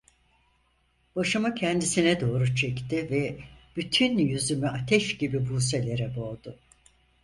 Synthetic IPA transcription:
b̥aʃɯmɯcʰɛnd̪isinɛd̪o̞ːɾut͡ʃʰɛct̪ʰɪvɛb̥yt̪ʰynjyzymyat̪ʰɛʃɟibibuːse̞lʲe̞ɾɛbo̞ːd̪ʊ

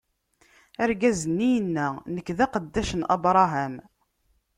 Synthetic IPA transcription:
æɾɡæzənːijənːænəkːðæqəd̪ːæʃənʔɑ̰bɾˤɑɦæm

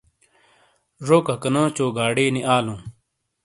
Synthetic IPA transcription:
ʐoːkɐkɐnõːt͡ɕoːɡaːɽeːniʔaːlũː

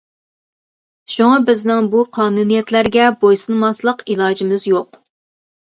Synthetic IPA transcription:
ʃuŋɑbɪznɪŋbuqʰɑːnunijɛt̪læɾɡʲɛbojsɨnmɑslˠəqilˠɑːd͡ʒimɪzjoq

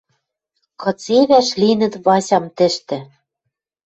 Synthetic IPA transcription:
kɤ̆t͡seβæʃlinɘ̆t̪βɑsʲɑmt̪ɘ̆ʃt̪ɘ̆

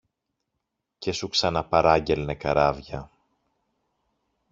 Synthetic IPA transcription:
ce̞suksɐnɐpɐɾɐɲɟelne̞kɐɾɐvʝɐ

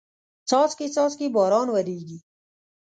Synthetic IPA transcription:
t͡sɔːskit͡sɔːt͡skibɔːɾɑːnwəɾiːɡi

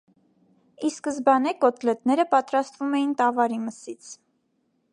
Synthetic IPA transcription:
iskəzbɑnɛkɔt̪lɛt̪nɛɾəpɑt̪ɾɑst̪vumɛjint̪ɑvɑɾiməsit͡sʰ

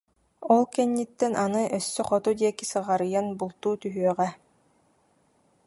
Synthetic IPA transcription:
ɔlˠkɛnːit̪ːɛnʔanɯʔœsːœχɔt̪ud̪iɛkisɯʁaɾɯjanbulˠt̪uːt̪yɦyœʁɛ

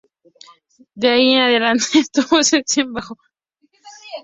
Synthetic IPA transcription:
d̪eaienaðe̞lant̪eːst̪uβoset̪embaxo

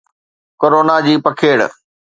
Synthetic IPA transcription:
koɾoːnad͡ʑiːpəkʰeːɽ̰

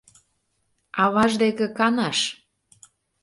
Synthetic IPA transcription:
ɑβɑʒd̪ekĕkɑnɑʃ

